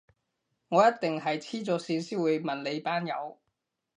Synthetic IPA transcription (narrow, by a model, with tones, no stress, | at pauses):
ŋɔː˨˧jɐ˥t̚t̪ɪ˨ŋɦɐ˨jt͡sʰiː˥t͡sɔː˨˧siː˧nsiː˥wuː˨˧jmɐ˨nle˨˧jpaː˥njɐ̰˨˧w